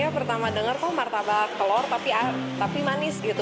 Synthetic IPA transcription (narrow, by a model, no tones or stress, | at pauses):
apərt̪amadəŋərt̪ɔhmart̪abakəlɔrt̪apia | t̪apimanɪsɡit̪u